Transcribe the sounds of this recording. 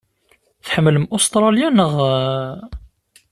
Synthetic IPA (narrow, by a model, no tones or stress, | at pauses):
θħəmːəlmʔʊst̪ɾˤɑljænəʁ